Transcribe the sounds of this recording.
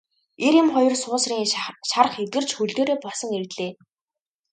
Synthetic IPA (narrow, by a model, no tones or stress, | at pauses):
eɾjɪ̆mχɔjɞ̆rsʊːsriːŋʃarχet̪ɘ̆r̥t͡ɕxɵɮt̪oːɾeːpɔɮsɞ̆ŋert̪ɮeː